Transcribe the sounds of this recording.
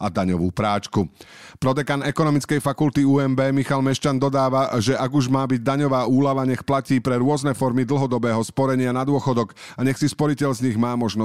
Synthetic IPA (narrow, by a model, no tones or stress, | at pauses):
ad̪aɲɔʋuːpɾaːt͡ʃku | pɾɔd̪ɛɡanɛkɔnɔmit͡skɛjfakult̪iuːɛmbɛːmixalmɛʃt͡ʃand̪ɔd̪aːʋaʒɛʔaɡuʒmaːbiɟd̪aɲɔʋaːuːlaʋaɲɛxplaciːpɾɛɾʊɔznɛfɔɾmid̪l̩ɦɔd̪ɔbɛːɦɔspɔɾɛɲɪanad̪ʊɔxɔd̪ɔk | aɲɛxsispɔɾicɛʎzɲiɣmaːmɔʒnɔ